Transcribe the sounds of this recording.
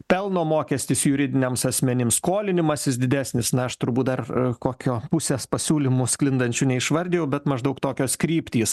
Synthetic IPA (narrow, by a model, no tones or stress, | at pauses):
pʲɛlˠnoːmoːkʲɛsʲt̪ʲiːsjʊɾʲɪd̪ʲɪnʲɛːmsɐsʲmʲɛnʲɪmskoːlʲɪnʲɪmɐsjɪsd̪ʲɪd̪ʲæːsʲnʲɪsnɐɐʃt̪ʊɾbuːt̪̚d̪ɐrkoːkʲoːpʊsʲeːspɐsʲuːlʲɪmʊsklʲɪnd̪ɐnʲt͡ʃʲʊnʲɛɪʃʋɐɾʲd̪ʲejɛʊbʲɛt̪mɐʒd̪ɐʊkt̪oːkʲoːskɾʲiːpʲt̪ʲiːs